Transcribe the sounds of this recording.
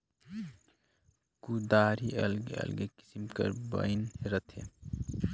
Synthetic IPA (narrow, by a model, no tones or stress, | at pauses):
kud̪aɾiəlɡeə̰lɡeki̥simkə̰ɾbə̰jnɦeɾət̪ʰḛ